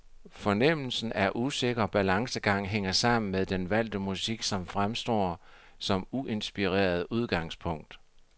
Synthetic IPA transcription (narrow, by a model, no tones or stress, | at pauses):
fɒ̽nem̰l̩sn̩æɐʔuse̝ɡ̥ɐb̥ælɑ̈ŋsəɡ̥ɑ̈ŋ̰ɦeŋ̰ɐsɑ̈m̰n̩meðˠd̥enʋæl̰d̥əmusiɡ̥sɒ̽mfʁamsd̥ɒ̰ː | sɒ̽muʔe̝nsb̥iʁḛːɐð̞ˠuð̞ˠɡ̥ɑ̈ŋspʰɔ̽ŋ̰d̥